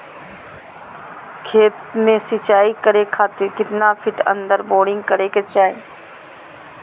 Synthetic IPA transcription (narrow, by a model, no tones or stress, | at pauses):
kʰeːt̪mẽsɪt͡ʃaːikəɾekʰaːt̪ɪɾkɪt̪nafʰɪʈə̰̃nd̪əɾɓoːɽɪ̃ŋɡkəɾeket͡ʃaːe